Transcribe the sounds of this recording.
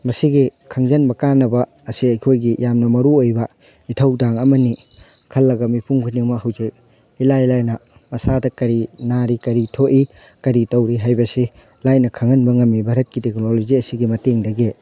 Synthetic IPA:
mɐsiɡikʰɐŋzɐnbɐkanːɐbɐ | ɐsiɐjkʰojɡijamnɐmɐɾuojbɐ | itʰɐwdaŋɐmɐnikʰɐlːɐɡɐmipʰuŋkʰuniŋmɐɦɐwzek̚ | ilajilajnɐ | mɐsadɐkɐɾinaɾikɐɾitʰoʔikɐɾitowɾiɦajbɐsi | lajnɐkʰɐŋɐnbɐŋɐmːibʱaɾɐt̚kiteknoloziɐsiɡimɐteŋdɐɡe

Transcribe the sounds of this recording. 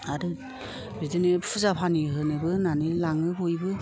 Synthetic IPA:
aɾɯ | bidɯnepʰɯzapʰaniɦɯnebɯnanɯlaŋɯbojbɯ

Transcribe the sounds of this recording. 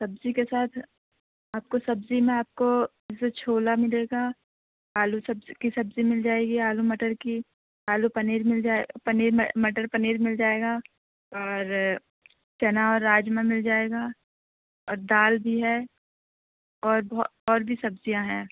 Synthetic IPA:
sɐbzikesaːt̪ʰ | aːp̚kosɐbzimẽaːp̚ko | et͡ʃʰoːlamɪleːɡaː | aːlusɐbzkisɐbzimɪld͡ʒaːeːɡiaːlumɐʈəɾki | aːlupɐniːɾmɪld͡ʒaːepɐniːɾmɐmɐʈəɾpɐneːɾmɪld͡ʒaːeːɡaː | ɔːɾ | t͡ʃɛnaɔːɾːaːd͡ʒmẽmɪld͡ʒaːeːɡaː | ɔːɾd̪aːlbʱiɦɛː | ɔːɾb̪ɔːɾbʱisɐbzijãɦɛ̃ː

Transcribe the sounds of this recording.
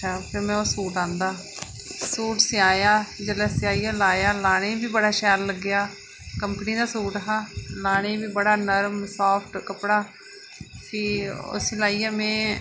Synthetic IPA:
aːpʰɪɾmɛ̃ːosuːʈãːnd̪aː | suːʈsɪaːjaːd͡ʒəlɛːsaːiːjaːlaːjaːlaːɽ̃eibiːbəɽaːʃɛːɾləɡːɪjaː | kəmpəniːd̪aːsuːʈəɦaːlaːɽ̃ebiːbəɽaːnəɾmsaːpʰʈkəpɽaː | kiːʊ̰siːlaːiːaːmɛ̃ː

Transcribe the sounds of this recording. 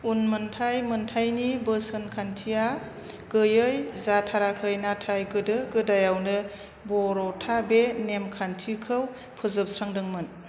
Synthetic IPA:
unmɯntʰajmɯntʰajnibəsɯnkʰantʰija | ɡ̥ɯjɯjzatʰaɾakʰɯjnatʰajɡɯdɯɡɯdajawnɯ | bɔɾɔtʰabenemkʰantʰikʰɯw | pʰɯzɯp̚sɾaŋdɯŋmɯn

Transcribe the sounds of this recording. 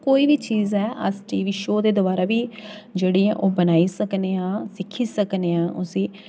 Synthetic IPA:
koːiːʋiːt͡ʃiːzɛːʔə̰sʈiːʋiːʃoːd̪eːd̪ʊbaːɾaːʋiːd͡ʒeːɽiːã̰ːʔoːbənaːiːsəkneːãːsɪkʰiːsəkneːãːʔʊsĩː

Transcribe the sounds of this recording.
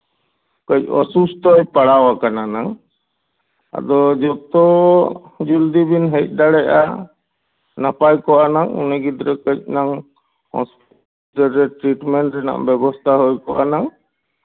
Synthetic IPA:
kəc̚ɔ̰sust̪ɔjpaɽawakananaŋ | a̰d̪ɔd͡ʒɔt̪ɔ | d͡ʒuld̪ibinɦɛc̚ˀd̪aɽɛa̰ | napajkɔʔanaŋṵnɛɡid̪ɾɛkət͡ʃ̚naŋ | hɔ̰̃sp | əɾɛʈɾiʈmɛɳʈɾɛna̰ʔbɛbɔst̪ʰaɦɔjkɔʔanaŋ

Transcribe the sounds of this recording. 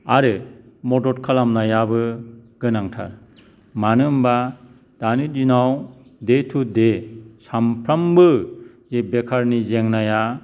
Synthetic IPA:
aɾɯmɔdɔɾkʰalamnajabɯɡ̥ɯnaŋtʰa̰ɾ | manɯmba | d̥anɯdinawdetʰudesampʰɾambɯ | zebekʰaɾnizeŋnaja

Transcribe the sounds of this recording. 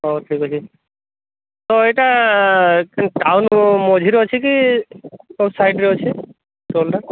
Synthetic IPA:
oʈʰikat͡ɕʰi | t̪oejʈa | knʈawnmod͡ʒʱiɾot͡ʃʰiki | osajɖɾot͡ɕʰi | ʈolʈa

